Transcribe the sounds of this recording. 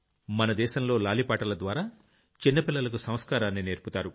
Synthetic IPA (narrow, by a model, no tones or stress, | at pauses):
mɐnɐd̪ɛːʃɐmlo̞ːlaːlipaːʈɐlɐd̪ʋaːɾaː | t͡ʃinːɐpilːɐlɐk̬usɐm̃skaːɾaːnːine̞ːɾput̪aːɾu